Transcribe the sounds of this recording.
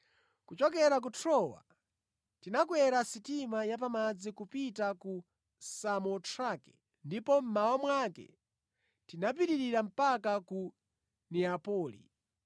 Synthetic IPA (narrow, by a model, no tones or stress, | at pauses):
kut͡ʃɔk̬ɛɾak̬utʰɾɔwa̰ | tinakwɛɾasitimajap̬amad͡zikupitaku | samɔtʰɾakɛ̰ | ndipɔm̩maɔmwakɛ̰ | tinap̬iɾiɾiɾam̩pakaku | nɛapɔːlḭ